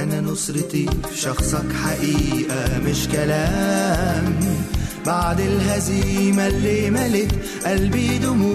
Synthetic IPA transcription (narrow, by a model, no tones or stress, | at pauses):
ʔananʊsˤɾt̪ifʃɑxsˤɑkħaʔiːʔamɪʃkalaːmbaʕd̪ɪlɦaziːmalːiːmalɪk | ʔalbiːd̪ʊmu